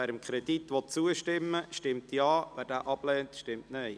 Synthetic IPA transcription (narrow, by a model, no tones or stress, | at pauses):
æːɾəmkʰɾɛdit̪ʋɔt̚t͡suəʃtɪmːəʃtɪmtjɑːʋæːɾdæːʔɑb̥lɛːntʃtɪmtnɛɪ